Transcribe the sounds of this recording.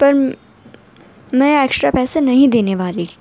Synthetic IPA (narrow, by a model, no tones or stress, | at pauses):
pɐɾ | mɛ̃eːksɾapɛːsenɐɦĩd̪eːneʋaːli